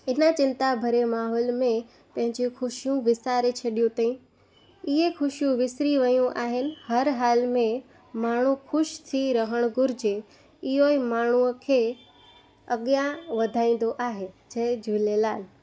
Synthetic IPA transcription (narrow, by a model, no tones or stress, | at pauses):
ɪnat͡ɕɪ̃nt̪abʱɐɾemaːɦɔːlmẽ | pɐ̃ɦɪ̃ɲd͡ʑixʊʃijũʋɪsaːɾet͡ɕʰɐɗijũt̪aĩ | ɪɦexʊʃjũʋɪsɾiʋɐjũʔaːɦɪnɪ̆hɐɾɦaːlmẽ | maːɳ̤ũxʰʊʃt̪ʰiɾɐɦəɽ̃ɡʊɾd͡ʑe | ɪɦoimaːɳ̤uəkʰeː | ɐɠjãʋɐd̪ʱaːĩːn̆d̪oʔaːɦed͡ʑɐd͡ʑʱuleːlaːl